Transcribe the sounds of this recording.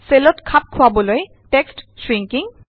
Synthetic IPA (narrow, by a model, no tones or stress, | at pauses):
selɔtkʰap̚kʰʊabɔloj | tekstsɹiŋkiŋ